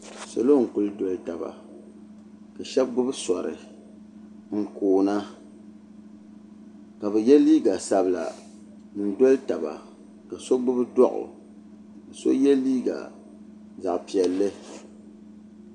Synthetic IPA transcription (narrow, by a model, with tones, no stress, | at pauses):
so˨lo˦˨ŋ̩˨kʊ˨lɨ˦dɔ˨˦lɨ˦ta˨ba̰˨ | ka˨ʃɛ˦b̚ɡ͡bʊ˦bɨ˦sɔ˨ɾɨ̰˨ | ŋ̩˨koː˨na˦ | ka˨bɛ˨jɛ˦liː˦ɡa˨sa˨bɨ˨la̰˨ | nɨ˨n˨do˦lta˨ba̰˨ | ka˨so˦ɡ͡bʊ˦bɨ˦dɔ˦ʔʊ̰˨ | ɨ˨so̰˦jɛ˦liː˦ɡa̰˨ | za˨ʔpi˨ɛ˨lːɨ˦